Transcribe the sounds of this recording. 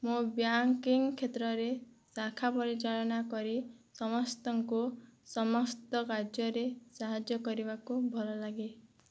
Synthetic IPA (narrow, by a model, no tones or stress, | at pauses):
mubjaŋkiŋkʰːet̪ɾɔɾe | sakʰapɔɾit͡ʃaɭɔnakɔɾisɔmɔst̪ɔŋkusɔmɔst̪ɔkad͡ʒjɔɾesaɦad͡ʒjɔkɔɾibakubʱɔlɔlaɡi